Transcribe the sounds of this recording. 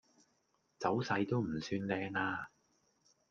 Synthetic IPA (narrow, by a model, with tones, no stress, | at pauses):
t͡sɐ˨˥wsɐ˧jt̪o˥wm̩˨˩syː˧nlɛː˧ŋaː˧